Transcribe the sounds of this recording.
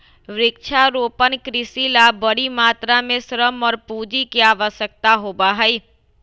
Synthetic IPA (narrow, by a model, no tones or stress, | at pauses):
ʋɾɪkt͡ʃʰaɾopənkɾɪsilabəɽimat̪ɾamẽsɾəmɔːɾpud͡ʒikeaʋəsək̚t̪aɦobaɦəi